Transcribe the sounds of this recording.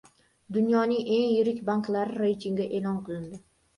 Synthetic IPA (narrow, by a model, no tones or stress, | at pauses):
d̪ʊnjɒnɪŋe̞ŋjɪɾɪkʲbaŋklˠaɾɪɾejt̪ʰɪŋɡʲaʔe̞lˠɒnqɨlˠɪnd̪ɪ